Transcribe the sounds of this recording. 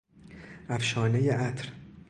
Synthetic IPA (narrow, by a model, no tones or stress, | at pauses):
ʔæfʃɒːnejeʔæt̪ʰɾ